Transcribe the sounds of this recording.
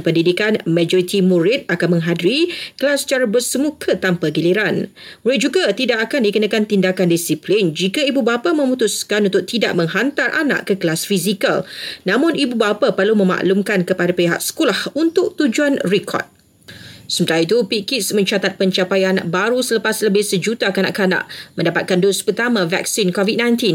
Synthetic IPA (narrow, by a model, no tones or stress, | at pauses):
pəndidikanmãd͡ʒɔɾit̪imuɾɪt̪̚akanmə̃ŋɦadiɾikəlasə̥t͡ʃaɾabərsəmukʰət̪ampaɡiliɾan | muɾɪt̪̚d͡ʒuɡat̪idaʔakandikənakant̪indakandisiplɪnd͡ʒikaibubapamə̃mut̪uskanunt̪ʊk̚t̪ida̰ʔ̚mə̃ŋɦant̪arʔa̰na̰ʔkəkəlasfizikalnãmʊ̃nibubapapərlumə̃ma̰ʔlumkankəpadapeɦa̰ʔsə̥kulahunt̪ʊk̚t̪ud͡ʒuanrikʰɔ̰d̚ | səmət̪aɾait̪upikitsmə̃ɲt͡ʃat̪at̪̚pəɲt͡ʃapajanaʔ̚baɾusələpasləbɪhsəd͡ʒut̪akana̰ʔkana̰ʔmə̃ndapat̪̚kandospət̪amãvɛ̰k̚sinkɔvid̚nãjnt̪in